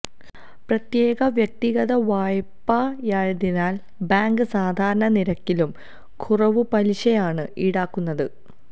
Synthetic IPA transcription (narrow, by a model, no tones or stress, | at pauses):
prɐt̪jeːɣɐʋjɐk̚t̪iɣɐðɐʋaːjpːajaːɻɐðinaːl | baːŋɡɨsaːd̪ʱaːɾɐɳɐniɾɐkːilum | kʰurɐʋɨpɐliɕɐjaːɳɨiɽaːkːunːɐðɨ